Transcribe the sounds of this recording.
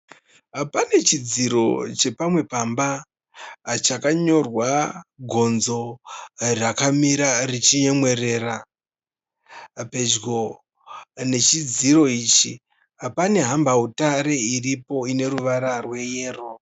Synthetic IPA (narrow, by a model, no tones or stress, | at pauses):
ɦapane̞t͡ʃid͡ziɾo̞t͡ʃe̞pamwe̞pamba | t͡ʃakaɲo̞rwaɡʱo̞nzo̞ | rakamiɾarit͡ʃiɲe̞mwe̞re̞ːra | pe̞d͡ʒɡo̞ | ne̞t͡ʃid͡ziro̞iːt͡ʃi | ɦapane̞ɦambautaɾe̞iripo̞ine̞ɾuʋaɾarwe̞je̞ːro̞